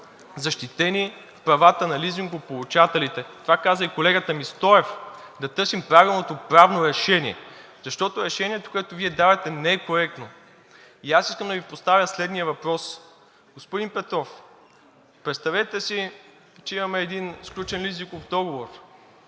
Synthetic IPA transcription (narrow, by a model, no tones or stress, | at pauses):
zɐʃt̪it̪ɛnʲi | fpɾɐvat̪ənɐliziŋɡʊpolˠut͡ʃat̪ɛlit̪ɛt̪ovakazəikolɛɡət̪əmist̪ɔɛfd̪ɐt̪ɤɾsimpɾavilˠnot̪opɾavnoɾɛʃɛnʲiɛ̰ | zɐʃt̪ɔt̪ʊɾɛʃɛnʲiɛt̪o̥koɛt̪oviɛd̪avɛt̪ɛnɛɛkoɾɛk̚t̪no | iasiskəmd̪ɐvipost̪avʲjəslɛd̪nijəvɐpɾɔs | ɡ̥ospʊd̪inpɛt̪ɾɔf | pɾɛt̪st̪ɐvɛt̪ɛsi | t͡ʃɛimɐmɛːd̪insklʲut͡ʃɛnlizikovd̪ɔɡovoɾ